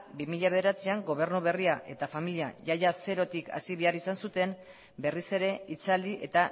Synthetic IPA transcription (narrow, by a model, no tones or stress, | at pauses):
bimiʎaβe̞ð̞e̞ɾat͡siaŋɡo̞β̞e̞ɾnuβ̞e̞riaʔe̞t̪afamiliaʝajase̞ɾo̞t̪ikʰa̰siβ̞e̞arisansut̪e̞m | be̞rise̞ɾe̞it͡sald̪iʔe̞t̪a